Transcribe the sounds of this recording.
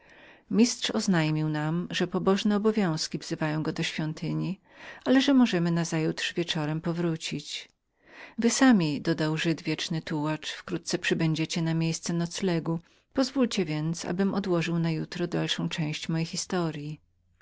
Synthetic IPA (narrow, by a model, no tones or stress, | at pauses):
mʲist̪ʂɔznajmʲiwnamʐɛpɔbɔʐnɛɔbɔvʲjɔ̃w̃skʲivz̥ɘvajɔ̃w̃ɡɔd̪ɔɕfʲjɔnt̪ʰɘɲi | alɛʐɛmɔʐɛmɘnazajut̪ʂvʲjɛt͡ʂɔɾɛmpɔvɾut͡ɕit͡ɕ | vɘsamʲid̪ɔd̪awʐɘd̪vʲjɛt͡ʂnɘt̪uwat͡ʂfkɾut̪̚t̪sɛpʂɘbɛɲd͡ʑet͡ɕɛnamʲjejst̪sɛnɔt̪slɛɡu | pɔzvult͡ɕɛvʲjɛnt̪sa̰bɘmɔd̪wɔʐɨwnajut̪ɾɔd̪alʂɔ̃w̃t͡ʂɛ̃w̃ɕt͡ɕmɔjejxʲist̪ɔɾʲji